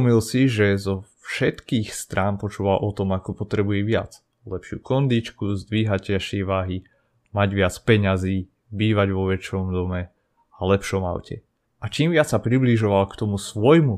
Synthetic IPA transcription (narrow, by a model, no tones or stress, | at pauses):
milsiʒɛzɔfʃɛt̪kiːxst̪ɾʔaːnpɔt͡ʃuːʋalʔɔt̪ɔmakɔpɔt̪ɾɛbujɛʋɪat͡s | lɛpʃɪṵkɔnd̪it͡ʃkuzd̪ʋiːɦacaʃɪɛʋaːɦi | maɟʋɪat͡spɛɲaziː | biːʋaɟʋɔʋɛt͡ʃɔmd̪ɔmɛ | alɛpʃɔma̰ʊcʰɛ̰ | ʔat͡ʃiːmʋɪat͡ssapɾibliʒɔʋalkt̪ɔmusʋɔjmu